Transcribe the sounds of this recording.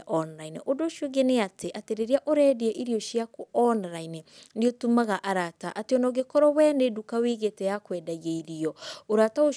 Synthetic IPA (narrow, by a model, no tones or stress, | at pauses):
ʔɔnɾaineʔodoʃjoɡeneateʔateɾeɾiaʔoɾɛdeɛʔiɾiɔʃjakoɔnɾainendeotumaɣaʔaɾataʔateɔnɔɣekɔɾɔwɛːndedukaweɣetɛjakwɛdaɣeiɾiɔoɾatao